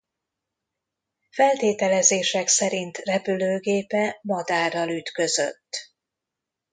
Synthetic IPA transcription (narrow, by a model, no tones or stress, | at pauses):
fɛlt̪eːt̪ɛlɛzeːʃɛksɛɾint̪rɛpyløːɡeːpɛmɒd̪aːrːɒlyt̪kø̞zø̞̰t̪ː